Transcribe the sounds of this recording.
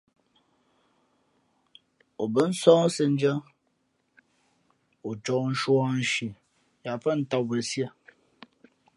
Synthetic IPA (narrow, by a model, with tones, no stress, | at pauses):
o˨bə˦n̩˦sɔː˦ŋ˦sɨ˦n̩˦d͡ʒə˦ | o˨t͡ʃɔ˨˦n̩˦ʃwa˦n̩˦ʃi˨ | ja˨fə˦n̩˦ta˨wbə˨si˦ə˦˨